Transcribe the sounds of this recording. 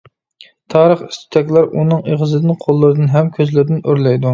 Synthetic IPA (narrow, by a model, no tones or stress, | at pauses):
t̪ʰɑːɾəχi̥st̪ʰy̥t̪ʰɛkʲlˠɑɾʔunɨŋeʁɨzɨd̪ɨnqʰolˠːɨɾɨd̪ɨnɦɛmkʲʰøzlɪɾɪd̪ɪnøɾlɛjd̪u